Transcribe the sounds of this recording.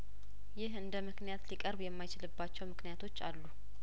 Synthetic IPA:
jɪɦɨnd̪əmɨknijat̪likʼəɾbjɛmːajt͡ʃɪlɨbːat͡ʃːɛwmɨknijat̪ʰo̞t͡ʃːa̰lːu

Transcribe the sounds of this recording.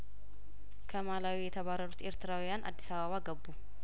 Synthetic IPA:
kʰɐmaːlaːwijɛt̪ʰɐβaːrːɐɾut̪e̞ːɾt̪ɪɾaːwɪjanʔa̰d̪ːɪsaβɐβaːɡɐbːu

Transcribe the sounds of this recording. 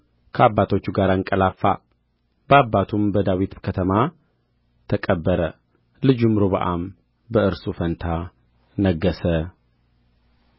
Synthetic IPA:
kʰəabːat̪ʰo̞t͡ʃːuɡaɾaŋkʼəlafːa̰ | b̥əabːat̪ʰumbəd̪awit̪kʰət̪ʰəma | t̪ʰəkʼəbːəɾə | lɨd͡ʒumːɨɾoβəʔam | bəɨɾsufənt̪ʰa | nəɡːəsə

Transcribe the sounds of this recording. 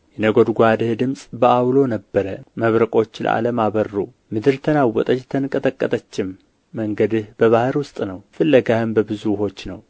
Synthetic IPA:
jɛnəɡo̞d̪ɡʷad̪ɨhd̪ɨmsʼbəawlo̞nəbːəɾəməβɾəkʼo̞t͡ʃːlə̰ʔa̰ləmaβərːu | mɨd̪ɨɾt̪ʰənawːɔt̪ʼət͡ʃːt̪ʰənkʼːət̪ʼəkʼːət̪ʼət͡ʃːɪmː | əŋɡəd̪ɨhbəβahɨɾwʊst̪ʼnəwfɨlːəɡahɨmbəbɨzuho̞t͡ʃːnəw

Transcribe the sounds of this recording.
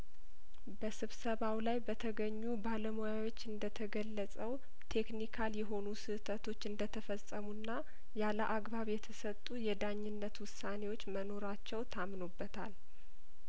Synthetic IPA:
bəsɨβsəβawlajbət̪ʰəɡəɲːubaləmo̞jawo̞t͡ʃːɨnd̪ət̪ʰəɡəlːəsʼəw | t̪ʰe̞knikʰaljɛɦo̞nusɨt̪ʰət̪ʰo̞t͡ʃːɨnd̪ət̪ʰəfəsʼəmunːa | jaləʔaɡbaβjɛt̪ʰəsət̪ʼːujɛd̪aɲːɪnːət̪wʊsane̞wo̞t͡ʃːməno̞ɾat͡ʃːɛwt̪ʰamnobːət̪ʰa̰l

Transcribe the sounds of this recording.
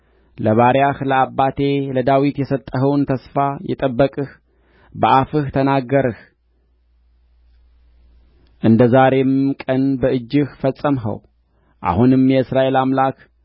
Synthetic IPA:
ləβaɾjahləabːat̪ʰe̞ləd̪awit̪jɛsət̪ʼːəhəwnt̪ʰəsfajɛ̰t̪ʼəbːəkʼɨh | bəʔafɨht̪ʰənaɡːəɾɨh | ʔɨnd̪əzaɾe̞mkʼənbəʔɨd͡ʒːɨhfəsʼːəmɦə̰w | ʔa̰hunɨmjɛɨsɾaʔe̞lamlak

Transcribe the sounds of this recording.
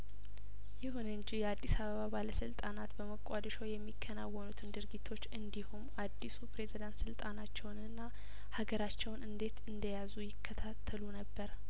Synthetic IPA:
jɪhunɨɲd͡ʒijɛad̪ːisaβəβabaləsɨlt̪ʼanat̪bəməkʼːad̪ʃowjɛmːikʰːənawːɔnut̪ʰɨnd̪ɨɾɡit̪ʰːo̞t͡ʃːɨnd̪ihumʔad̪ːisupɾe̞zid̪ant̪sɨlt̪ʼanat͡ʃːɛwnɨnːa | haɡəɾat͡ʃːɛwnɨnd̪e̞t̪ɨnd̪əjazujɪkʰːət̪ʰat̪ʰːəlunəbːəɾ

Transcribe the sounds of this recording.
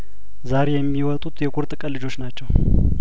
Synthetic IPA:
zaɾejɛmːiwɔt̪ʼut̪jɛkʼuɾt̪ʼɨkʼəlɨd͡ʒo̞t͡ʃːnat͡ʃːɛw

